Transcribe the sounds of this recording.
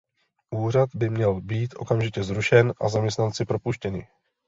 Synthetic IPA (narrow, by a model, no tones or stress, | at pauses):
ʔuːr̝ad̪bɪmɲɛlbiːt̪ʔo̞̰kamʒɪcɛzɾuʃɛnʔa̰zamɲɛst̪nant͡sɪpɾo̞puʃcɛnɪ̰